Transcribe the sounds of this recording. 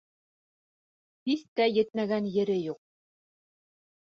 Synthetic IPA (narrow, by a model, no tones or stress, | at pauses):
hiθt̪æjɘ̆t̪̚mæɡænjɘ̆ɾɘjuq̚